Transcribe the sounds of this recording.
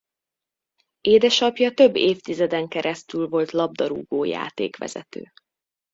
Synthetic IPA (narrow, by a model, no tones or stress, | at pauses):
eːd̪ɛʃɒpjɒt̪ø̞bːeːft̪izɛd̪ɛŋkɛɾʔɛst̪ylvo̞lt̪lɒb̚d̪ɒɾṵːɡoːja̰ːt̪ḛːkʋɛ̰z̥ɛ̰t̪ø̰ː